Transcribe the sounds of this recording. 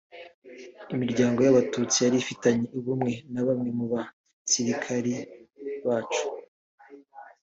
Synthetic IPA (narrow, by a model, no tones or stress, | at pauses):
imiɾɟaːŋɡo̞jaβatut͡sijaɾifitaɲe̞uβumŋe̞naβamŋe̞muβa | siɾikʰaɾiβaːt͡ʃu̥